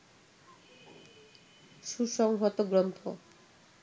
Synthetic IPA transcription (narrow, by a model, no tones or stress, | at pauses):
susɔŋɦɔt̪ɔɡɾɔnt̪ʰɔ̰